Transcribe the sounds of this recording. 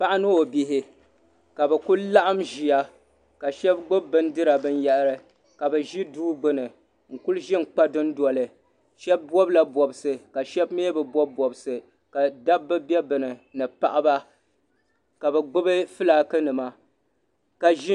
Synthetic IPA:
pa˦ʔa˦nɨ˦o˨bi˨ɦɪ˨ | ka˨bɛ˨ku˦la˦ʔa˦mʒi˨ja˦ | ka˨ʃɛ˦bɡ͡bʊ˦bːɨ˦n˦dɨ˦ɾa˨bɨ˦n˦ja˦ʔɾɨ˦ | ka˨bɨ˨ʒi˦duː˦ɡ͡bɨ˦nɨ˨ | ŋ̩˨ku˦lʒi˦n̩˨k͡pa˦dɨ˦n˦dɔ˨lɨ˨ | ʃɛ˦b̚ːɔ˦bla˨bɔ˨bsɨ˨ka˨ʃɛ˦bme˦bɨ˨bɔ˦bbɔ˨bsɨ˨ | ka˨da˦bbːɨ˦bjɛ˦bɨ˨nɨ˨nɨ˨pa˨ʔa˦ba˦ | ka˨bɛ˨ɡ͡bʊ˦bɨ˦fɨ˦laː˨kɨ˦nɨ˨ma˨ | ka˨ʒi˦

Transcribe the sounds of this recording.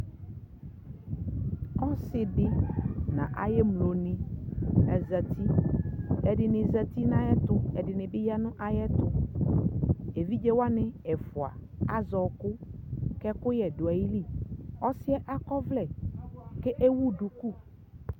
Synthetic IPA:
ɔ˦sɪ˨dɪ˦nã̰˨ʔa̰˨jɛ˦mlo˨nɪ̃˨ | ɛ˨zɛ˨t̪i˦ | ɛ˨dɪ˨nɪ̃˨zɛ˨t̪i˦nã˦jɛ˦t̪ʊ˦ɛ˨dɪ˨nɪ̃˨bɪ˦ja˦nʊ̃˦ʔa˨jɛ˦t̪ʊ˨ | e˨vi˦d͡ʒe˦wa˦nɪ̃˦ɛ˨fʊ˨a̰˨a̰˨zɔ˨kʊ˦kɛ˦kʊ˦jɛ˨dʊ˨a˨ji˦li˦˨ɔ˦sɪ˦ɛ˦ʔa˦kɔ˦vlɛ˨ke˦ʔe˦wu˦ɖu˨ku˦˨

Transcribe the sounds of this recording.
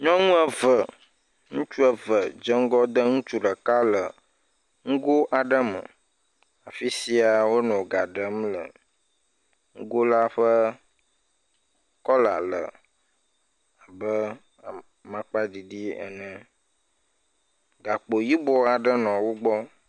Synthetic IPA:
ɲɔ̃˦ŋũ˦ɛ˨və˨ | ŋũ˦t͡ʃu˦ə˨və˨d͡ʒə˦ŋ̩˦ɡɔ˦d̪ə˦ŋũ˦t͡ʃu˦ɖə˨ka˦lə˨ | ŋ̩˦ɡo˦ʔa˨ɖə˦mə̰̃˨ | a˨fi˦si˦a˨wo˦nɔ̃˨ɡa˨ɖə˨˦mlə̰˨ | ŋ̩˦ɡo˦la˦ɸə˦ | kɔ˦la̰˨lə̰˨ | a˨bə˦˨ | mã˨k͡pa˦ɖi˨ɖi˦ə̰˨nə̃˦ | ɡa˨k͡po˨ji˦bɔ˦a˨ɖə˦nɔ̃˨wo˦ɡ͡bɔ˦

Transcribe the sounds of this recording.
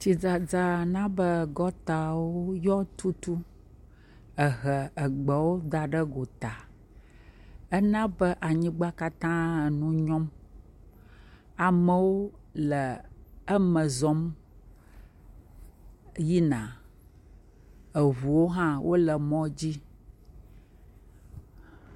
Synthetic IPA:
t͡ɕi˨d͡za˨d͡za˨nã˦bə˦˨ɡɔ˦t̪a˨wo˦jɔ˦t̪u˦t̪u˦ | ə˨ɣə˨ə˨ɡ͡bə˨wo˦d̪a˨ɖə˦ɡo˨t̪a˨ | ə˦nã˦bə˦ʔa˨ɲĩ˦ɡ͡ba˦ka˦t̪ã˦ə˨nũ˦ɲɔ̃˦m | a˨mə̃˨wo˦lə˨ə˦mə̃˨zɔ˦m | ji˦nã˨ | ə˨βu˨wo˦ɦã˦wʔo˦lə˨mɔ̃˦d͡ʑi˦

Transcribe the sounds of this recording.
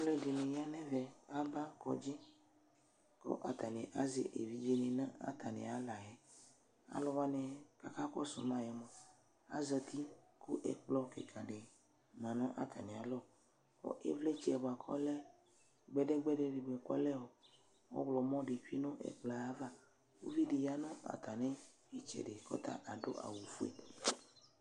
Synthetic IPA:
le˦ɖe˨lẽ˨ja˦nɛ̃˦vɛ˨a˦ba˦kɔ̰˨d͡ʒi˦ | ko̰˦ʔa̰˨t̪a˨nẽ˨ʔa˨zḛ˨ʔḛ˨vi˦d͡ʒe˦nẽ˨nã˦a̰˦t̪a˨nḛ̃˨a˨la˨jɛ˨ | a̰˦lɔ˦wa˦nɛ̃˨ka˨ka˦kɔ˦so̰˨m˦ã˨jɛ˨mɔ̃˨ | a̰˦zə˨t̪i˦ku˦ʔḛ˨k͡plɔ˦kḛ˨kʰa˨ɖe˨ | mã˨nã˦ʔa̰˦t̪ʰa̰˨nɛ̃˨a˨lɔ˦ | o̰˦ʔe˦vlɛ˦t͡ʃɛ˦ɛ˨bɔ˨a˨kʰɔ˦lɛ˦ | ɡ͡bɛ˦ɖɛ˦ɡ͡bɛ˦ɖɛ˦ɖe˨ɡ͡be˨k͡pɔ̰˦lɛ˦wo˨ | wo̰˦wlɔ˨mɔ̃˦ɖe˨ɸi˦nõ˦ʔḛ˦k͡pla˨a˦va˦ | wo̰˦vi˦ɖe˨ja˦nɔ̃˦a̰˨t̪a˨nɛ̃˦ | e˦t͡ʃɛ̰˨ɖe˨kɔ̰˦t̪a̰˦˨ʔa˨ɖo̰˦ʔa̰˨wu˨fu˦ḛ˦˨

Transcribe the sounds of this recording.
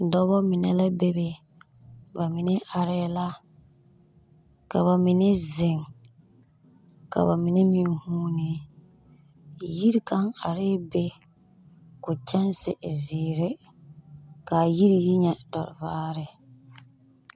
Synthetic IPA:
dɔ˦bɔ˦mi˨nɛ˦la˦be˦be˨ | ba˨mi˨ne˦ʔa˨ɾɪ˦la˦ | ka˨βa˨mi˨ne˦zɪ˨ŋ | ka̰˨ba˨mi˨ne˦mĩ˨˦huː˦ni˨ | ji˦ɾi˦ka˦ŋa˨ɾɪ˦be˦ | kʊ˨t͡ʃɛ˦nsɪ˨zɪː˨ɾɪ˦ | ka˨ji˦ɾi˨ji˦ɲɛ˨dɔ̰˨ɾɪ˨vaː˦ɾɪ˨

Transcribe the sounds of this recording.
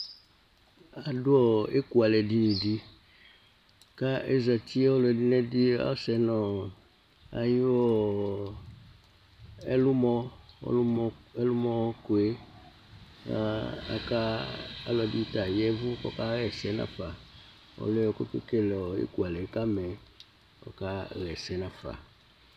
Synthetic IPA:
a˨dʊ˦ɔ˦e˦ku˦a˨lɛ˨di˦˨di˦ | ka˦e˦zɛ˨t̪i˦ɔ˦lɔ˨ɛ˨di˦nɛ˦di˦a̰˦sɛ˨nɔ˨ | a̰˨ji˦ɔ˦ | ɛ̰˦lu˦mɔ˦ɔ̰˦lu˦mɔ˦e˦lu˦mɔ̃˦ku˨e˦ | a̰˨ka˦a̰˨lɔ˨di˦t̪a˨jɛ˦vu˦kɔ̰˦ka˦ɣɛ˨sɛ˦nã̰˨fa˨ | wɔ̰˨lɛ˦wɔ˨ko˦ke˦ke˦lɛ˨ɔ˨ḛ˦ku˨a˨lɛ˨˦ka˦mɛ̃˨ | kɔ̰˦ka˦ɣɛ˨sɛ˦nã˨fa̰˨

